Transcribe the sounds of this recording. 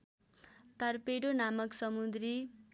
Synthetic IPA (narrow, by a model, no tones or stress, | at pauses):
t̪ʌrpeɽonamʌksʌmud̪ɾi